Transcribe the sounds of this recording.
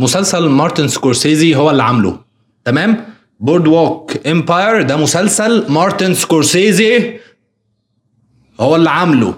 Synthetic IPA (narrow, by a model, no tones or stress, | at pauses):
mʊsælsælmɑɾˤt̪inskoɾseːziɦowːælːʕamlo̰ | t̪æmæːm | boɾd̪woːkʔempɑjɾd̪æmʊsælsælmɑɾˤt̪enskoɾseːzi | howːælːʕamlo̰